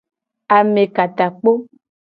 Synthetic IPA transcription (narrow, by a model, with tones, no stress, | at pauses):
a˨mẽ˨ka˨t̪a˨k͡po˦